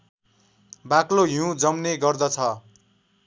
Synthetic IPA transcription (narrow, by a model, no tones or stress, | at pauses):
bakloɦũũd͡zʌmneɡʌrd̪ʌt͡sʰʌ